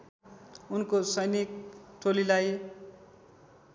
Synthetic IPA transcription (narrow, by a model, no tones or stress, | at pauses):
unkosʌjnik̚ʈʰolilaj